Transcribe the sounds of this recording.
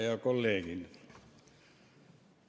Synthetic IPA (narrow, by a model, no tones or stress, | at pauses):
jɑkolːeːkin